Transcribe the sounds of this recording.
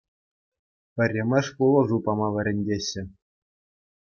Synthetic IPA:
pʲɘ̆rʲɘ̆mʲɘ̆ʂpulˠɤ̆ʐupɑmɑʋʲɘ̆ɾʲɘ̆nʲdʲeɕːɘ̆

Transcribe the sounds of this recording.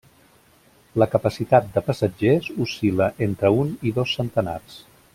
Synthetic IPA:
ləkəpəsit̪at̪̚d̪əpəsəd͡ʒezusiləʔent̪ɾəuniðosːənt̪əna̰rs

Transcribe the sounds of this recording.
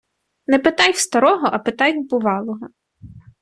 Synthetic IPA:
nɛpet̪ɑjwst̪ɐɾɔɦɔʔɐpet̪ɑjbʊʋɑlˠɔɦɔ

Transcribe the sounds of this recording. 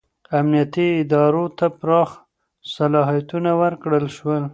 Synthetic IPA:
amnijat̪iɪd̪ɑɾot̪apɾɑx | salɑɦijat̪unawəɾkɽəlʃwəl

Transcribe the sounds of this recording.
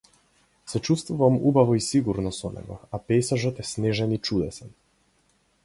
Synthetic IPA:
sɛt͡ʃust̪vuvamubavɔisiɡuɾnɔsɔnɛ̰ɡɔ̰apɛsaʒɔt̪ɛsnɛʒɛnit͡ʃud̪ɛsɛn

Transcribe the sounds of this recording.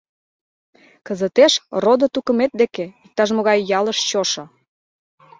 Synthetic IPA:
kə̆zə̆t̪eʃrod̪ot̪ukə̆met̪̚d̪ekeik̚t̪ɑʒmoɣɑjːɑləʃt͡ɕoʃŏ

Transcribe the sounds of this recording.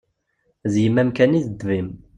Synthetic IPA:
zjəmːæmkæniðd̪vim

